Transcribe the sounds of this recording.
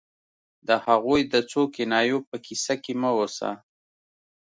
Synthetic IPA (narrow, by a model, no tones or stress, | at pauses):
d̪əhaɣojd̪ət͡sokɪnɑjopəkisakeməwosa̰